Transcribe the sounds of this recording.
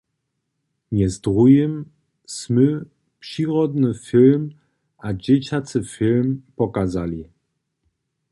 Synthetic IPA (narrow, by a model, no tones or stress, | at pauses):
mʲjɛzd̪ʁujəm | smɨ | pʂiʁɔd̪nɨfilm | ʔad͡ʑɛt͡ɕat͡s̪ɨfʲilmpɔkazalʲi